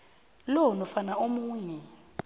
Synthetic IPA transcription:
lɔnɔfanaomuːɲɛ

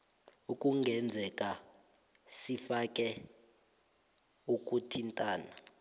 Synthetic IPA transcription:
ukʼuŋɡʱɛnd͡zʱɛkʼa | sifakʼɛ | ukʼutʰintʼaːna

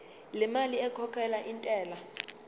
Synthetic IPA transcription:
lɛmaliɛkʰɔkʰɛlaʔintʼɛːla

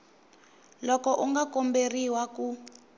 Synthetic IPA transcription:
lɔkɔʔuŋɡakɔmberiwaku

